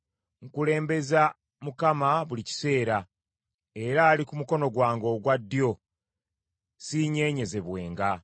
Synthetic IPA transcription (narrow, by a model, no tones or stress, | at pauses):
ŋkule̞ːmbe̞za | mukamaβulici̥se̞ːɾa | e̞ɾaːlikumuko̞no̞ɡwaːŋɡo̞ːɡwadːjo̞ | siːɲe̞ːɲe̞ze̞βwe̞ːŋɡa